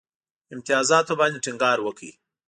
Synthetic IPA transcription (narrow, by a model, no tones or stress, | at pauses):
ɪmt̪ɪjɑzɑt̪obɑnd̪eʈiŋɡɑɾwəkḭ